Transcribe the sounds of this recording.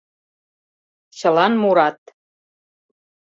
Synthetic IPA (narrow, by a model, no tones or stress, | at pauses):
ɕə̆lɑnmuɾɑt̪